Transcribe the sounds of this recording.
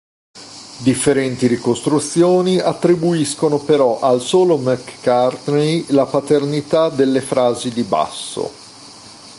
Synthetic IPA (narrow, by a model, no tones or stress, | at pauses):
d̪ifːeɾɛnt̪iɾikost̪ɾut̪sːjoːniat̪ːɾibuiskonopeɾɔʔalsoːlomɛkːart̪nejlapat̪ernit̪ad̪elːefɾaːzid̪iba̰sːo̰